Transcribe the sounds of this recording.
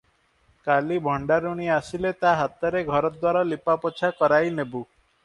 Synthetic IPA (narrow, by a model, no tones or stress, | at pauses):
kalibʱɔɳɖaɾuɽ̃iasilet̪aɦat̪ɔɾeɡʱɔɾɔd̪waɾalipapɔt͡ʃʰakɔɾajnebu